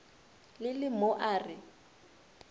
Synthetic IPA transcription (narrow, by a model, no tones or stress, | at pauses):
lɪlɪmoʔaːrɪ